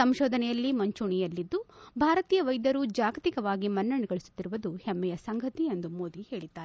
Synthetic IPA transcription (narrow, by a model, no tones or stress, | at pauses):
sɐmʃɔːd̪ʱɐnɛjɐlːimɐɲt͡ʃuɳijɐlːid̪ːubʱaːɾɐt̪iːjɐʋɐjd̪ɐɾud͡ʒaːɡɐt̪ikɐʋaːɡimɐnːɐɳɛɡɐɭisu̥t̪ːiɾuʋɐd̪uhɛmːɛjɐsɐŋɡʱɐt̪iend̪umoːd̪ihe̞ːɭid̪ːaːɾe